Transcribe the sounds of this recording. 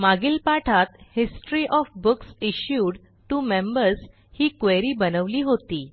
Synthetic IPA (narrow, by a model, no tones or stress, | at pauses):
maɡilpaʈʰat̪hisʈɾiʔɔfbuksiɕjuːɖ | ʈumẽmbəɾs | hiːkʋeɾiːbənəʋliːɦot̪iː